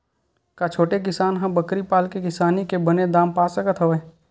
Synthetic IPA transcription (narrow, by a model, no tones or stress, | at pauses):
kat͡ʃʰoːʈek̬ɪsaːnɦãbəkɾipaːlkekɪsaːnikebəned̪aːmpaːsəkət̪ɦəʋe